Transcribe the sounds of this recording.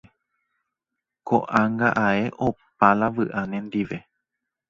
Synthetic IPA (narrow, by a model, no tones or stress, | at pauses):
ko̰ʔãŋɡaʔae̞ʔop̚alaʋɨʔanẽnd̪iʋe̞